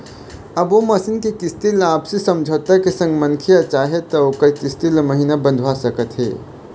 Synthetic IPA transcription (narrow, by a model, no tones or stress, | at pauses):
əboməsinkekist̪ilaːpsesəmd͡ʒʱət̪akesə̃ŋɡmənkʰijat͡ʃaɦet̪əokəɾkist̪ilməɦinabə̃nd̪ʱʋasəkət̪ɦḛ